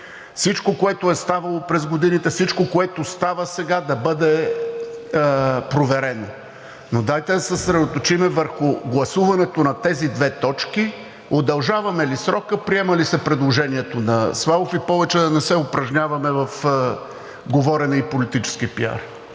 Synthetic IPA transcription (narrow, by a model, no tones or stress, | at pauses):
fsit͡ʃkokoɛt̪ʊɛst̪avɐlˠopɾɛzɡod̪init̪ɛfsit͡ʃkokoɛt̪ost̪avəsɛɡad̪ɐbɤd̪ɛ | pɾovɛɾɛno | nod̪ajt̪ɛd̪ɐsɛsɾɛd̪ot̪ot͡ʃimɛvəɾxʊɡlˠɐsuvɐnɛt̪onɐt̪ɛzid̪vɛt̪ɔt͡ʃki | od̪ɐlˠʒavɐmɛlisɾɔkəpɾiɛmɐlisɛpɾɛd̪lˠoʒɛniɛt̪onɐsvˠalˠofipɔvɛt͡ʃɛd̪ɐnɛsɛʊpɾɐʒnʲavɐmɛvɐf | ɡovɔɾɛnɛipolit̪it͡ʃɛ̥sk̟ipia̰ɾ